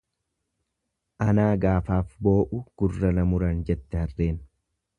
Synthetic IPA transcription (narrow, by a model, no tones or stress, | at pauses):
ʔɐnaːɡaːfaːfbo̞ːʔʊɡ̥ʊrːɐnɐmʊɾɐnd͡ʒɛt̪ːɛhɐrːe̞ːn